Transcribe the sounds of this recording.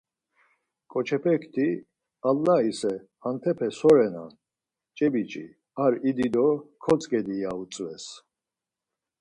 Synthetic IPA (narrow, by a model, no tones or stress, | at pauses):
kʼɔt͡ʃʰɛpʰɛkʰt̪ʰi | alːaisɛ | ant̪ʰɛpʰɛsɔɾɛna̰ | t͡ʃʼɛbit͡ʃʼḭ | aɾid̪id̪ɔkʰɔt͡sʼɡɛd̪iaut͡sʼvɛs